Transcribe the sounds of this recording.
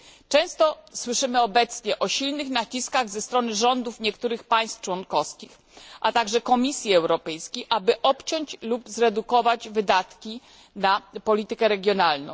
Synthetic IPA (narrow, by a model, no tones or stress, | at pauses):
t͡ʂɛ̃w̃st̪ɔswɘʂɘmɘɔbɛt̪sɲɛʔɔɕilnɘxnat͡ɕiskaɣzɛst̪ɾɔnɘʐɔnd̪ufɲɛkt̪uɾɘxpaj̃st̪ft͡ʂwɔnkɔfskʲix | ʔat̪aɡʐɛkɔmʲisʲjiɛwɾɔpɛjskʲejʔabɘʔɔpt͡ɕɔɲt͡ɕlubzɾɛd̪ukɔvad͡ʑvɘd̪at̪kʲi | napɔlʲit̪ɘkɛɾɛɡʲjɔnalnɔ̰̃w̃